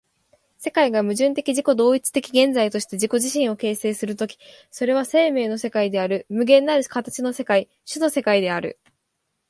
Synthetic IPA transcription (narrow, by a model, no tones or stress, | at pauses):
se̞kaiɡamɯ̟ʑɨ̃nt̪e̞kʲiʑiko̞d̪o̞ːit͡sɨ̥t̪e̞kʲiɡẽ̞nd͡zait̪o̞ɕi̥t̪e̞ʑiko̞ʑiɕĩɰ̃o̞ke̞ːse̞ːsɨɾɯ̟t̪o̞kʲi̥ | so̞ɾe̞β̞ase̞ːme̞ːno̞se̞kaid̪e̞aɾɯ̟mɯ̟ɡẽ̞nːaɾɯ̟kat̪at͡ɕino̞se̞kai | ɕɨno̞se̞kaid̪e̞aɾɯ̟̰